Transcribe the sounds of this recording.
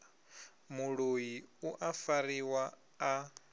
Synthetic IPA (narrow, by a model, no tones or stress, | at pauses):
muɺojiuʔafaɾiwaː